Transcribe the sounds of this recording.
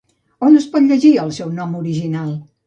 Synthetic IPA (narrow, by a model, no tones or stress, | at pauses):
onəspɔt̪ʎəʒiəlˠsɛwnɔmuɾiʒinalˠ